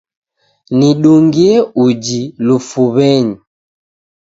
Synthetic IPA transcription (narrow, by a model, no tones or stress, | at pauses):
niɗuŋɡiɛud͡ʒilufuβɛɲi